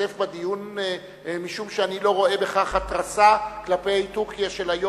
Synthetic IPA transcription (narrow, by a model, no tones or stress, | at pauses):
efbad̪ijun | miʃumʃeanilo̞ʁo̞e̞beχaχhat̪ʁasaklapetukijaʃe̞lajo